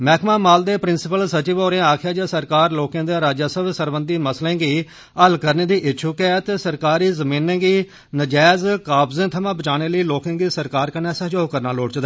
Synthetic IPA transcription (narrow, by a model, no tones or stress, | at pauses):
mɛːkʰmãːmaːld̪eːpɾɪnsɪpəlsət͡ʃiʋoːɾẽːaːkʰɪjaːd͡ʒaːsəɾkaːɾloːkẽːd̪aːɾaːd͡ʒaːsəbsəɾʋə̃nd̪iːməslẽːɡiː | əlkəɾneːd̪iːʔɪːʃʰuːkɛːt̪esəɾkaːɾiːzəmĩːnẽːɡiː | nəd͡ʒɛːzkaːpzẽːt̪ʰəmãːbət͡ʃaːñeːləiːloːkẽːɡiːsəɾkaːɾkənɛːsəɦd͡ʒoːkəɾnaːloːɽt͡ʃd̪ː